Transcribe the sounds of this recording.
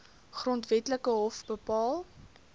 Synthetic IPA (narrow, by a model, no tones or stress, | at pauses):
χrɔntvɛtləkəɦɔfbəpɑːlˠ